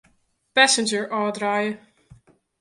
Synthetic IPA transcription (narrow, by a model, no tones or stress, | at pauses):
pæsɪ̃nd͡ʒəɹʔɑːd̪ɹajə